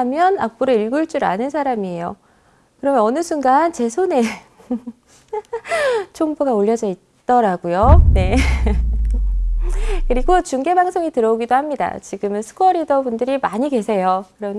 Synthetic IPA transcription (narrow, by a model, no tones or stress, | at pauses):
amjʌnak̚p͈uɾoiɭɡuɭt͡ɕ͈uɾa̰nɯnsʰaɾamiejo | kɯɾʌmjʌnʌnɯsʰuŋɡant͡ɕe̞sʰone̞ | t͡ɕʰoŋbuɡaoʎːʌd͡ʑʌit̚t͈ʌɾaɡujone̞ | kɯɾiɡot͡ɕuŋɡe̞baŋsʰoŋitɯɾʌoɡidohamɲida̰t͡ɕiɡɯmɯnsʰɯ̥kʰʌɾidʌbundɯɾimaɲike̞sʰe̞jokɯɾʌn